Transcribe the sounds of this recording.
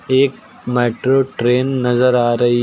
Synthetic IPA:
eːk̚ | meːʈɾoːʈɾeːnːɐzəɾaːɾɐɦi

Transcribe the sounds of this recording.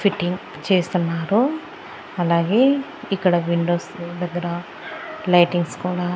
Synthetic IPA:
fʰiʈːiŋɡ | t͡ʃeːst̪unːaːɾu | ɐlaːɡe̞ː | ikːɐɽɐʋiɳɖo̞ːsd̪ɐɡːɐɾɐ | lɐjʈiŋɡskuːɽaː

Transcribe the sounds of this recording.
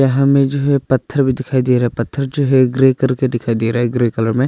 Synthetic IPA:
aɦɐ̃mẽd͡ʒoɦɛpɐt̪ʰːəɾbʱid̪ɪkʰaːid̪eɾɦɛpɐt̪ʰːəɾd͡ʒoɦɛɡɾeːkɐɾked̪ɪkʰaːid̪eɾaɦɛɡɾeːkɐləɾmẽ

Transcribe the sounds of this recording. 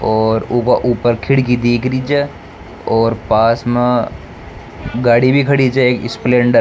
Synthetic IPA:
ɔːɾukaʔuːpəɾkʰɪɽkid̪eːkʰɾid͡ʒe | ɔːɾpaːsmẽ | ɡaːɽibʱikʰɐɽid͡ʒeeːkɪsplẽːɳɖəɾ

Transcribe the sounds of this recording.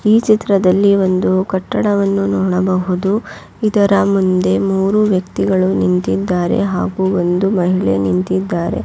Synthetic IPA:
iːt͡ʃit̪ɾɐd̪ɐlːiʋo̞nd̪ukɐʈːɐɽɐʋɐnːunɔːɽɐbɐɦud̪u | id̪ɐɾɐmund̪e̞muːɾuʋjɐkt̪iɡɐɭunint̪id̪ːaːɾe̞̰ɦaːɡuːo̞nd̪umɐɦiɭe̞̰nint̪id̪ːaːɾe̞̰

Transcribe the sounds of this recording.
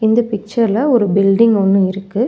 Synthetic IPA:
ɪnd̪ɐpɪk̚t͡ʃɐɾlɐɔɾɯbɪlɖɪŋɡɔnːɯɪɾɯkːɯ

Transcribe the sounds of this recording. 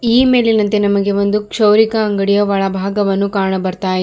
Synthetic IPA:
iːme̞ːlinɐnt̪enɐmɐɡe̞ʋo̞nd̪ukʂɐwɾikɐːŋɡɐɽijɐʋɐɭɐbʱaːɡɐʋɐnːukaːɾɳɐbɐɾt̪aːj

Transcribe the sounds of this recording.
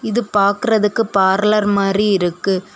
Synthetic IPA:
ɪðɯpaːɾkɯɾɐðɯkːɯpaːɾlɐɾmaːdriɪɾɯkːɯ

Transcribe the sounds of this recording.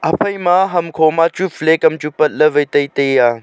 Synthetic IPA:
ɐpʰɐjmãːɦɐmkʰoːmaːt͡ʃuflekɐmt͡ʃupɐt̪̚ləʋɐjt̪ɐit̪ɐjaː

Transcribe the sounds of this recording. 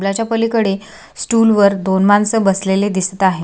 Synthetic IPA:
lat͡ɕjapəlikəɽe | sʈuːlʋəɾd̪onmansəbəsleled̪ist̪əaɦe

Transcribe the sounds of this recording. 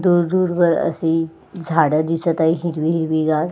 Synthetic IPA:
d̪uɾd̪uːɾbəɾə̰si | d͡zʱaɽəd̪isət̪aiɦiɾʋiɦiɾʋiɡaɽ

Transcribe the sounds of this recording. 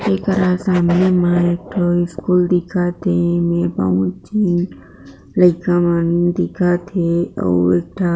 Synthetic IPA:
ekəɾasaːmnemãeːk̚ʈʰoɪskuːld̪ɪkʰat̪emẽpa̰ũt͡ʃin | ləɪkamənd̪ɪkʰat̪ʰeo̰ːeːk̚ʈʰa

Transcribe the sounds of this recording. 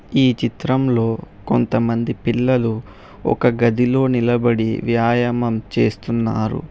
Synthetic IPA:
iːt͡ʃit̪ɾɐmlo̞ː | ko̞nt̪ɐmɐnd̪ipilːɐlu | ɔ̰kɐɡɐd̪ilo̞ːnilɐbɐɽiʋjaːjɐmɐmt͡ʃe̞ːst̪unːa̰ːɾṵ

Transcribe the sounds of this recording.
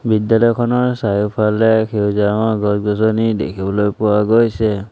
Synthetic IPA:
bidjalɔjkʰɔnɔɹsajupʰalɛkʰewzaɔɡɔsɡɔsɔnidḛkʰibɔlojpʊwaɡojsɛ

